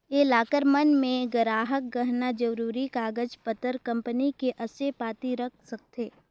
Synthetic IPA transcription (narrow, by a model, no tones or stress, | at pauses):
elaːkəɾmənmẽɡəɾaːɦək̚ɡəɦnad͡ʒəɾuːɾikaːɡəd͡ʒpət̪əɾkɐ̃mpənikeʔɐsepaːt̪iɾɐk̚ʰsɐk̚t̪eː